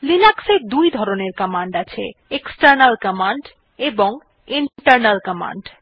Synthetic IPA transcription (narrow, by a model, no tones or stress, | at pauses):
linakseɾd̪ujd̪ʱɔɾoneɾkəmaɳɖat͡ɕʰḛeksʈəɾnalkəmaɳɖ | eboŋ | iɳʈəɾnalkəma̰ɳɖ